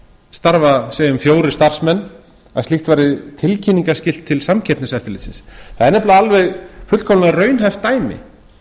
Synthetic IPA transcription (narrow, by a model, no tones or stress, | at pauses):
st̪aɾvaseːjʏmfjoːwɾɪ̥st̪ar̥smɛnː | asliht̪vaːɾɪt̪ʰɪlcʰinːiŋkascɪl̥t̪ʰːɪlsamcʰɛpnɪsɛft̪ɪlɪsɪ̰nsθaðɛɾnɛplaalvɛɣfʏt̪lkʰɔmaðrœɥnɦajft̪ːaːjmɪ̰